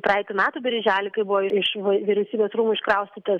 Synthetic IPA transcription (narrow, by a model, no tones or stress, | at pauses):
prɑɐɛɪt̪ʲʊmʲæːt̪uːbʲɛɾʲʒʲæːlʲɪkɐɪbʊʋɔːɪɪʃʋɐʋʲiɾʲɛʊsʲiːbʲeːsɾuːmuɪʃkɾɐʊsʲt̪ʲɪt̪ɐs